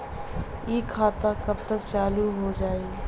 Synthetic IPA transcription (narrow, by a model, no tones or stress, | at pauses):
ikʰːaːt̪akɐbt̪əkt͡ʃaːluɦod͡ʒaːi